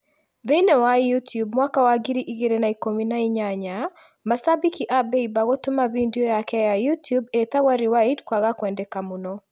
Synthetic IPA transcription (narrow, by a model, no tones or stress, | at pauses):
ðenɛwajutjub̚mwakawaɡiɾiʔiɡeɾenaikominaiɲaɲa | masabikiʔabeibaɡotʊmaβindiojakɛjajutjubet̪aɣwaɾiwaidkwaɣakwɛndɛkamuno